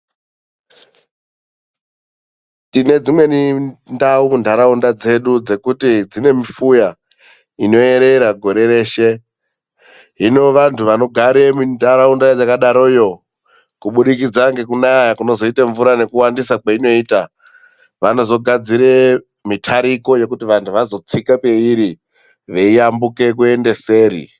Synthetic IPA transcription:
tine̞d͡zimwe̞nindaumundʱaɾaundad͡ze̞ɗud͡ze̞kutid͡zine̞mifuja | ino̞e̞ɾe̞ɾaɡʱo̞ɾe̞ɾe̞ːʃe̞ | ɦino̞ʋantʰuʋano̞ɡʱaɾemundʱaɾaundad͡zakaɗaɾo̞ijo̞ | kuɓuɗikid͡zaŋɡe̞kunajakuno̞zo̞itaɱvuɾane̞kuwandisakaino̞iːta | ʋano̞zo̞ɡʱad͡ziɾe | mitʰaɾiko̞je̞kutiʋantʰuʋazo̞t͡sikape̞iɾi | ʋe̞iambuke̞k̬ue̞nde̞se̞ːɾḭ

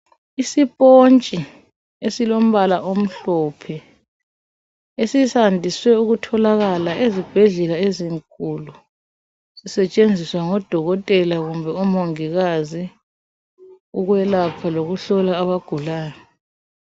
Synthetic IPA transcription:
isipʼont͡ʃʼi | esilom̩βalaʔom̩ɬɔpʰɛ | esisandʱiswɛuɣutʰɔlaɣalaʔezib̥ʱɛɮɛlaeziŋkʼulu | sisɛt͡ʃʼend͡zʱiswaŋɔd̥ʱɔɣɔtʼɛlaɣumbʱɛumoŋiɣazi | uɣwɛlapʰaloɣuɬɔlaːβaɡ̥ʱulaːjɔ

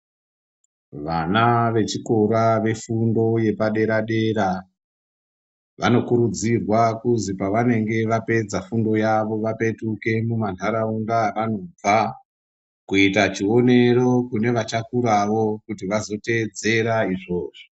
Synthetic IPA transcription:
ʋanaʋe̞t͡ʃiko̞ɾaʋe̞fundo̞je̞paɗe̞ɾaɗe̞ɾa | ʋano̞kuɾud͡zirwakuzipaʋane̞ŋɡe̞ʋape̞d͡zafundo̞jaʋo̞ʋape̞tuke̞muman̤aɾauŋdaʋano̞b͡va | kuitat͡ʃio̞ne̞ro̞kune̞ʋat͡ʃakuɾaʋo̞kutiʋazo̞te̞ːd͡ze̞ɾaiʐo̞ːʐo

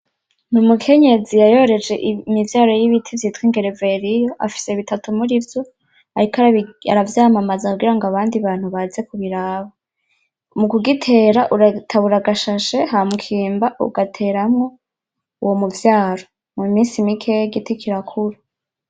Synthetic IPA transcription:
numukʰe̞ɲe̞zijajo̞ɾe̞d͡ʒe̞ʔimivjaːɾo̞jiβitʰivjiːtwiŋɡe̞ɾeve̞ɾijo̞ʔafi̥se̞βitatumuɾivjo | aɾikaa̰ɾavjaːmamazauɡiɾaŋɡaβaːndiβaːn̥huβaze̞kuβiɾaːβa | mukuɡitʰe̞ɾaʔuɾatʰaβuɾaɡaʃaʃe̞ɦamukʰiːmbaʔṵɡatʰe̞ːɾamŋo̞ | uwomuvjaːɾo̞ | mumiːnsimikʰe̞jɡitikʰiɾakʰuɾa

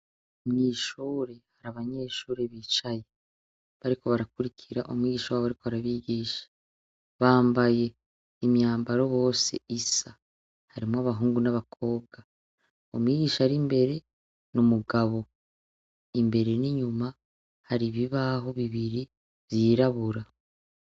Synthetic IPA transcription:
mɲiːʃuːɾe̞haɾaβaɲe̞ːʃuːɾe̞βiːt͡ʃaje̞ | βaɾiko̞βaɾakuɾicʰiɾa̰ʔo̰mŋiːɟiːʃawaːβaɾikoβaɾaβiɟiːʃḁ | βaːmbaje̞ | imjaːmbaɾo̞βo̞ːse̞̰isa | haɾimoaβaɦuːŋɡunaβakʰo̞ːbɡa | o̰mwiːɟiːʃaaɾimbe̞ɾe̞ | nomuɡaβo̞ | imbe̞ɾe̞niɲuma | haɾiβiβaɦo̞βiβiɾi | vjiːɾaβuɾa

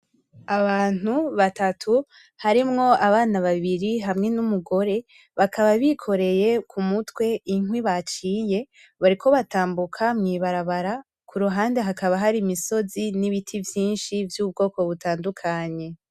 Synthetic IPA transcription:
aβaːn̥uβatatʰu | haɾimŋo̞aβaːnaβaβiɾiɦamŋe̞numuɡo̞ɾe̞ | βakʰaβaβikʰo̞ɾe̞je̞kʰumutwe̞iŋwiβat͡ʃiːje̞ | βaɾikʰo̞βataːmbukʰamŋiːβaɾaβaɾa | kʰuɾuɦaːnde̞ɦakaβaɦaɾimiso̞ziniβitʰivjiːnʃivjub̚ɡo̞ːko̞βutaːndukʰaɲe̞

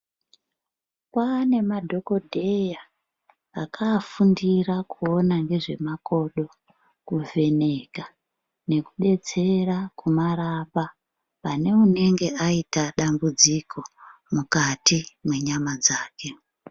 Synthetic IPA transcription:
kwane̞madʱo̞ko̞dʱe̞jaː | kʰafundirakʰuo̞naŋɡe̞ʐe̞mako̞ɗo̞ | kuvʱe̞ne̞ka | ne̞kuɗe̞t͡se̞rakumaɾapa | pane̞une̞ŋɡe̞ʔaitaɗambud͡zikʰo̞ | mukatimwe̞ɲamad͡zaːke̞

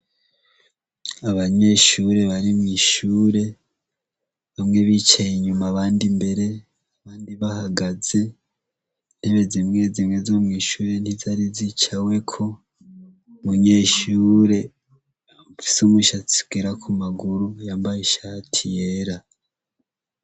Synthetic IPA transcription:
aβaɲe̞ːʃuːɾe̞βaɾimŋiːʃuːɾe̞ | βamŋe̞βiːt͡ʃajeɲumaβaːndimbe̞ɾe̞ | aβaːndiβahaɡaz̥e̞ | n̥eβezimŋe̞ːzimŋe̞zo̞mŋiːʃuːɾe̞n̥izaɾizit͡ʃawe̞kʰo̞ | βuɲe̞ːʃuːɾe̞ | ufi̥sumwiʃat͡si̥ɡ̥eɾakʰumaɡuɾujaːmbajeʃatʰijeɾa

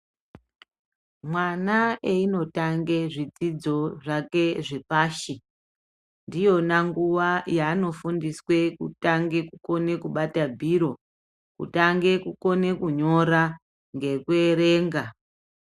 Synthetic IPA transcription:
mwanaeino̞taŋɡe̞ʐid͡zid͡zo̞ʐake̞ʐe̞paːʃi | ndijo̞naŋɡuʋajaːno̞fundiswe̞kutaŋɡe̞kuko̞ne̞kuɓatabʱiɾo̞ | kṵtaŋɡe̞kuko̞nekuɲo̞ɾa | ŋɡe̞kweɾe̞ːŋɡa

